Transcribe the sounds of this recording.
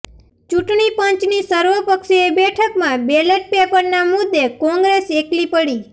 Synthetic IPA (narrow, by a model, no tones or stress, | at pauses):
t͡ʃuʈɳipə̃t͡ʃnisəɾʋəpəkʃeebɛʈʰəkmãbeleʈ̚pepəɾnamʊd̪ːekɔ̃ŋɡɾeseklipəɽi